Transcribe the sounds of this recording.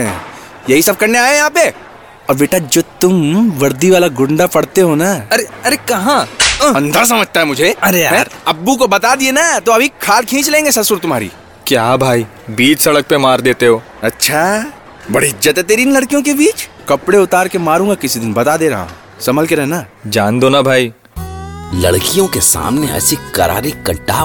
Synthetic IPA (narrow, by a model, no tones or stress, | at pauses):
ɛ̃ | jɐɦisɐb̚kɐɾneaːjejɐɦãːpe | ɔːɾʋeːʈad͡ʒoːt̪ʊmʋɐɾd̪iʋaːlaɡʊ̃ɳɖapɐɽt̪eɦonaɐɾeɐɾekɐɦãɐ̃nd̪ʱas̬ɐməd͡ʒʱt̪aɦɛmʊd͡ʒʱeɐɾejaɦɛ̃ːɾɐbːuk̬obɐt̪ad̪ienat̪oɐbʱikʰaːlkʰĩːt͡ʃlẽːŋɡesɐsʊɾt̪ʊmɦaːɾḭː | kjaːbʱaːi | biːt͡ʃsɐɽək̚pemaːɾd̪eːt̪eɦoː | ɐtːʃʰaː | bɐɽiɪzzət̪ɦɛt̪eːɾinlɐɽkijõk̬ebiːt͡ʃ | kɐpɽeʊt̪aːɾkemaːɾũːŋɡakɪsid̪ɪnbɐt̪ad̪eːɾɐɦa̰ɦ | sɐməlkeɾɛɦnad͡ʒaːnd̪oːnabʱaːiː | lɐ̰ɽkijõkesa̰ːmneɛ̰ːsikɐ̰ɾa̰ːɾikɐʈa̰ː